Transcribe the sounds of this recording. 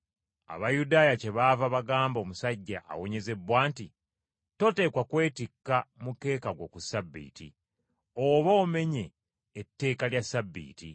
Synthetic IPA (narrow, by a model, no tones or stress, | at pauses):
a̰βajudaːjace̞βavaβaɡaːmbo̞musaɟːaʔːwo̞ɲe̞ze̞bwaːnti | to̞te̞ːkwakwe̞ːtikːamuke̞ːkaɡwo̞kusabːḭːtḭ | oβoːme̞ɲe̞ː | tːe̞ːkaljasabːḭːti